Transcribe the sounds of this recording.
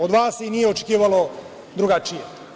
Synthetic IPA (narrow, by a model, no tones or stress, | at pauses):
od̪ʋaːsinijeot͡ʃekiːʋalˠo | d̪ɾuɡat͡ʃije